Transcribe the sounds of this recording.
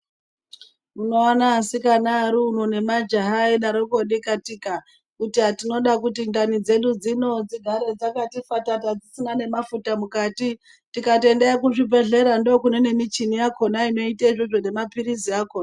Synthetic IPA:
muno̞anaːsikanaɾuːnone̞mad͡ʒaɦaiɗaɾokoɗikatiːka | kutiɦatino̞ɗakutindanid͡ze̞ɗud͡zino̞d͡ziɡʱaɾe̞d͡zakatifatatad͡zisinane̞mafutamukaːti | tikate̞ndeakuʐipe̞ɮe̞ɾandokunene̞mit͡ʃinijakʰo̞naino̞itaiʐoʐo̞ne̞mapiɾisiakoːna

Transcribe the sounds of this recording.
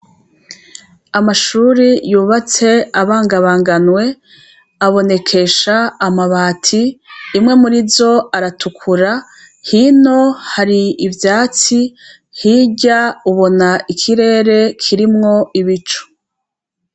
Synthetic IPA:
amaʃuːɾijuːβat͡se̞aβaːŋɡaβaːŋɡanwe̞ | aβo̞ne̞kʰe̞ʃaːmaβaːtʰiːmŋe̞muɾizo̞aɾatʰukʰuɾa | hino̞haɾiivjaːt͡si | hiɟauβo̞naikʰiɾe̞ːɾe̞kʰiɾimŋo̞iβit͡ʃu̥

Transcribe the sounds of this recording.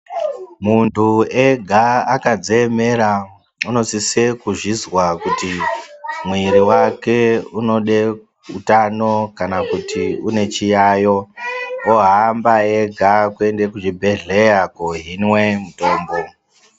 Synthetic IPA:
muntʰueɡʱaakad͡zeːme̞ɾa | uno̞sisekuʐizwakuti | mwiɾiwake̞uno̞ɗe | ṵtano̞kanakutiune̞t͡ʃijaːjo̞oɦambaeɡʱakue̞nde̞kuʐibʱe̞ɮe̞jakoɦinwe̞muto̞ːmbo̞

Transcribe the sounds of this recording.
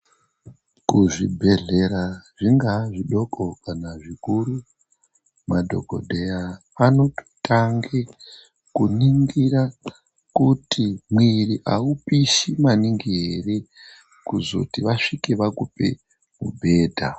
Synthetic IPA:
kuʐibʱe̞ɮe̞ɾaʐiŋɡaʐiɗo̞kokanaʐikuru | madʱo̰ko̞̰dʱejaː | no̞to̥tʰaŋɡe | kuniŋɡira | kutʰimwiriʔaupiʃimaniŋɡiɦere | kuzo̞̰tiʋaʂikiʋakupḛ | mubʱe̞ːdʱa

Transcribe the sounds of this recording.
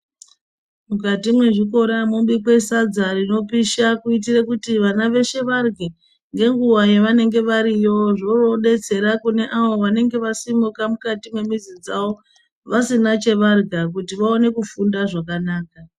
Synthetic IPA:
mukatimwe̞ʐiko̞ɾamumɓikwe̞sad͡zarino̞piʃakuit̬irekutiʋanaʋe̞ʃe̞ʋarɡʱe | ŋɡe̞ŋɡuwajeʋane̞ŋɡe̞ʋaɾijo̞ʐo̞ro̞ɗe̞t͡se̞ɾakune̞ʔaʋoʋane̞ŋɡe̞ʋasimukamukatimwe̞mizid͡zaʋo̞ | ʋasinat͡ʃe̞ʋarɡʱak̬utiʋao̞ne̞kufundaʐakanaːka

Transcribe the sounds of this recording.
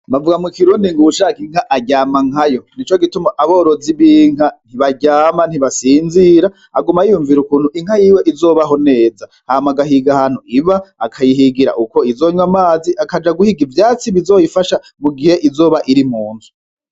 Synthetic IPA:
mavuɡamukiɾuːndiŋɡuuʃaːkiŋ̥haʔaɟaːmaŋajo̞nit͡ʃo̞ɡitumaʔaβoːɾoziβiːŋan̥iβaɟaːman̥hiβasiːnziɾa | aɡumajijuɱviɾukuːn̥uʔiŋ̥hajiːweʔizo̞ːβaɦo̞ne̞ːza | haːmaɡaɦiɡahaːn̥huiβaːkʰajiɦiɡiɾa̰ʔuko̞izoːɲwamaːziʔakad͡ʒaɡuhiɡivjaːt͡siβizo̞ːjifaʃa | muɡihe̞ʔizo̞ːβaʔiɾimuːnzu̥

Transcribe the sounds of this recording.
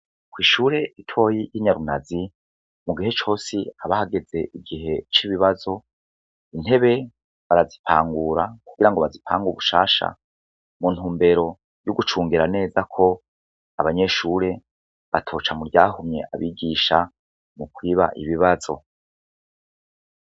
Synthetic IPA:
kwiːʃuːɾe̞itʰwo̞ːjijiɲaɾunazi | muɡiɦe̞t͡ʃo̞ːsiaβahaɡe̞ze̞ʔiɡiɦe̞t͡ʃiβiβazo̞ | in̥he̞βe̞ | βaɾazipʰaːŋɡuɾakuɡ̥iɾaŋɡo̞βazipʰa̰ːŋɡuuβuʃa̰ːʃa̰ | mun̥huːmbe̞ɾo̞ | juɡut͡ʃuːŋɡiɾane̞ːzakʰo̞ | aβaɲe̞ʃuːɾe̞ | βatʰo̞ːt͡ʃamuɾɟaːɦumɲe̞̰ʔa̰βiːɡiʃa | mukwiːβa̰ʔiβiβazo̞̰

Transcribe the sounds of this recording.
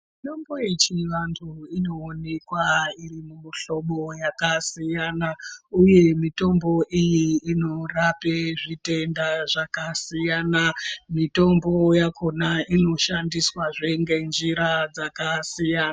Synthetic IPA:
itombojet͡ʃiʋantʰuino̞ːne̞kwairimuɬo̞ɓo̞jakasijanauje̞mito̞mbo̞ʔijiino̞rapeʐite̞ndaʐakasijaːnamito̞mbo̞jako̞naino̞ʃandiswaʐeŋɡe̞nd͡ʒiɾad͡zakasijaːna

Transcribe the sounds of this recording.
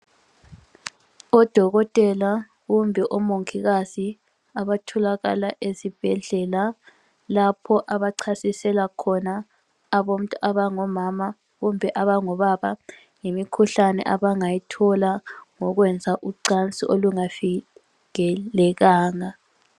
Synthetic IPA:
ɔd̥ʱɔɣɔtʼɛla | ɣumbʱɛʔɔmoŋkʰiɣasi | aβatʰɔlaɣa̰laʔesib̥ʱɛɮɛla | lapʰɔʔaβaǀʰasisɛlakʰɔnaː | βom̩tʼuʔaβaŋɔmama | ɣumbʱɛʔaβaŋɔβaβa | ŋemikʰuɬanɛ̰ʔaβaŋajitʰɔlaŋɔɣwɛnd͡zʱaʔuǀant͡sʼiʔoluŋafi | ɣɛlɛɣaːŋa

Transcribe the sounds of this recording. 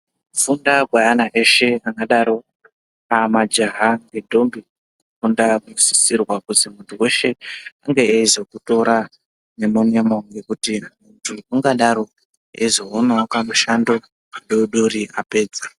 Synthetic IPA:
ufundaɡʱwajanaʔe̞ʃe̞akɡaɗaɾo̞ | amad͡ʒaɦaŋɡe̞dʱo̞mbi | kukundakusisirwakuzimuntʰuwe̞ʃe̞aŋɡe̞ːizo̞kuto̞ɾa | nemonemoŋɡe̞kutimuntʰuuŋɡaɗaɾo̞ | ezo̞ɦonakamuʃando | aɗoɗuɾiʔape̞ːd͡za

